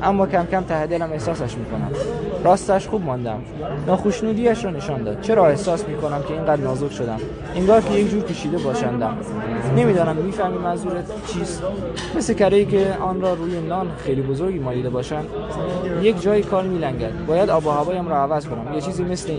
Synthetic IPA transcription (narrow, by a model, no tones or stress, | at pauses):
ʔæmːɒːkʰæmkʰæmt̪ʰæhd̪elæme̞hsɒːsæʃmiːkʰo̞næ̰mɾɒːst̪æʃxuːbmɒːnd̪æm | nɒːxoʃnuːd̪iːæʃɾɒːne̞ʃɒːnd̪ɒ̰ːd̪̥̚t͡ʃʰe̞ɾɒːe̞hsɒːsmiːkʰo̞næmkʲʰe̞iːŋɡæd̪nɒːzokʃod̪æm | eŋɡɒːɾkʰʲejekd͡ʒuːɾkʰʲeʃiːd̪e̞bɒːʃænd̪æm | ne̞miːd̪ɒːnæmːiːfæhmiːmænzuːɾe | t͡ʃʰiːst̪ | me̞slecʰæɾejiːcʰeɒːnɾɒːɾuːjenɒːnxejliːbozo̞ɾɡiːmɒːliːd̪e̞bɒːʃænd̪ | je̞kd͡ʒɒːjikʰɒːɾmiːlæŋɟæd̪̚bɒːjæd̪ɒːbɒhæbɒːjæmɾɒːævæzkʰonæmjet͡ʃʰiːziːme̞sle